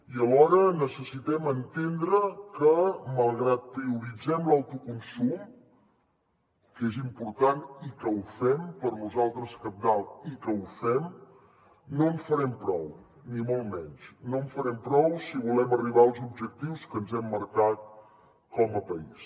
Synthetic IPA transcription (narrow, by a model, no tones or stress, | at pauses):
iəlɔɾənəsəsit̪ɛmənt̪end̪ɾəkəməlˠɣɾat̪̚pɾiuɾid͡zɛmlawt̪ukunsum | kezimpuɾt̪anikəufɛmpəɾnuzalˠt̪ɾəskəp̚d̪alˠikəufɛm | noɱfəɾɛmpɾɔw | nimɔlˠmɛnsnoəɱfəɾɛmpɾɔwsiβulɛməriβ̞aəlˠzubʒək̚t̪iwskənzɛmːəɾkat̪̚ | kɔməpəis